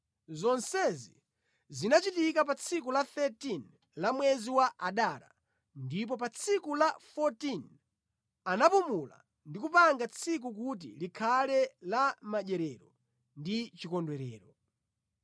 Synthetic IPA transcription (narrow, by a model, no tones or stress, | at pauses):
zɔnsɛzi | zinat͡ʃitikap̬at͡sʰikulaθɛtin | lamwɛziwaʔaɗaɾa̰ | ndip̬ɔp̬at͡sʰikulafɔtin | anapumula̰ | ndikupaŋɡat͡sʰik̬uk̬ut̬ḭlikʰalɛlamaʄɛɾɛɾɔ | ndit͡ʃikɔndwɛɾɛːɾɔ